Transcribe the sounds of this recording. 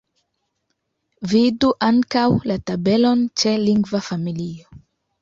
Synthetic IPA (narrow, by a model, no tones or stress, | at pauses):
viduʔaŋkawlatabe̞lo̞nt͡ʃe̞liŋɡvafamilio